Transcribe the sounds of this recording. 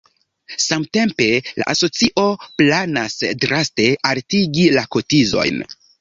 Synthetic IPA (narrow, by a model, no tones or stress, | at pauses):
samte̞mpe̞la̰ʔaso̞t͡siʔo̞planasdɾaste̞ʔaltiɡilako̞tizo̞̰jn